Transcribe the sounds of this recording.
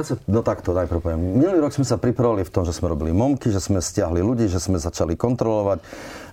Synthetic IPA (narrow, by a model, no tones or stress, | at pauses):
asɛnɔt̪akt̪ɔnajpɾʊpɔʋɛmːinuliːɾɔɡz̥mɛsapɾipɾaʋalift̪ɔmʒɛsmɛɾɔbilimɔmkiʒɛsmɛscɪaɦliluɟiːʒɛzmɛzat͡ʃalikɔnt̪ɾɔlɔʋac